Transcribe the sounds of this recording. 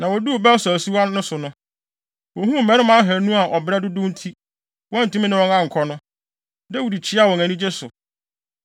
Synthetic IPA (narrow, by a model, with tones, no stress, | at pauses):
nã˨wɔ˨du˦˨bɛ˦sæ˨si˦wɔ̃˦nːʊ̃˦sʊ˨nʊ̃˦ | wɔ˨ɦũ˦m̩˨mɛ̃˨˦nɪ̃˦mã˦ɦæ˨nũ˦a˨ʔɔ˨bɪ˨ɾɛ˦dʊ˦dʊ̃˦n̩˦tʰi˦ | wɔ̃˦n˨tũ˦mĩ˦nɪ̃˦wɔ̃˦nã˦ŋ̩˨kʰɔ˦nʊ̃˦ | dɛ˦wu˨di˨t͡ɕʰɪ˦a˦˨wɔ̃˨ŋæ̃˨nĩ˦d͡ʑe˦sʊ˨